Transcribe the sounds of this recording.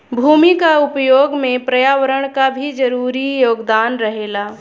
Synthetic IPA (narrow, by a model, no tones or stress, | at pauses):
bʱuːmikaʊpjoːɡmẽpɾɐjaːʋəɾəɽ̃kabʱid͡ʒəɾuːɾijoːɡd̪aːnɾəɦeːlaː